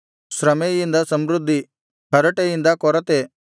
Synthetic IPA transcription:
sɾɐmejind̪ɐsɐmɾud̪ʱːi | pɐɾɐʈejind̪ɐkɔɾɐt̪e

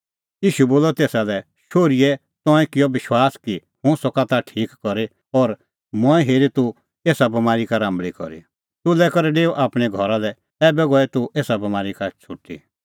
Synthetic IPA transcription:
jiːʃuboːlɔt̪eːsalɛ | ʃoːɾijɛ | t̪ɔ̃ɛ̃kɪjɔʋɪʃwaːski | hʊ̃sɔkat̪aʈʰiːkːɔɾe | ɔɾ | mɔ̃ɛ̃ɦeːɾit̪u | eːsabɐmaːɾikaɾãːmbɭikɔ̰ɾḭ | t̪ʊlɛkɔɾɛɖeːuʔaːpɽ̃ɛɡʱɔɾalɛ | ɛːbɛɡɔɛt̪ueːsabɐmaːɾikat͡sʰʊʈːḭ

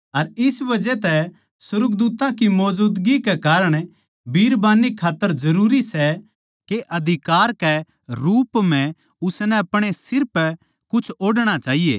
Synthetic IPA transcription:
ɐɾɪsbɐd͡ʒɛt̪ɛ | sʊɾəkd̪uːt̪ãkimɔːd͡ʒuːd̪ɡikɛkaːɾəɽ̃ | bʱiːɾbaːnːikʰaːt̪ːəɾzɐɾuːɾisɛ | keʔɐd̪ʱɪkaːɾkɛ | ɾuːpm̤ɛ̃ | ʊsnɛɐpɽ̃esɪɾpɛ | kʊt͡ʃʰoːɽɽ̃at͡ʃaːɦijḛː

